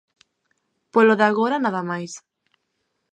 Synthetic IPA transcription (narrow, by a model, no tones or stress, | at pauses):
poloðaɣoɾanaðamajs